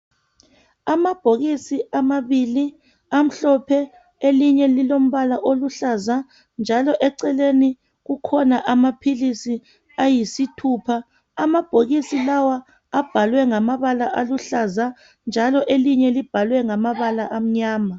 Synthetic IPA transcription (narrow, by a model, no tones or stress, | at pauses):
amab̥ʱoɣisiamaβili | am̩ɬɔpʰɛ | eliɲɛlilom̩βalaʔoluɬaza | nd͡ʒʱalɔʔɛǀɛleni | ɣukʰɔnaʔamapʰilisi | ajisitʰuːpʰa | amab̥ʱoɣisilawaː | b̥ʱalwɛŋamaβalaʔaluɬaza | nd͡ʒʱalɔʔeliɲɛlib̥ʱalwɛŋamaβalaʔam̩ɲaːma